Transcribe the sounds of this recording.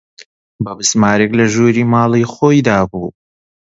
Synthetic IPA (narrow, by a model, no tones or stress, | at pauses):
bɐbɨsmaːɾeklɐʒuːɾiːmaːlˠɨjxoːjd̪aːbuː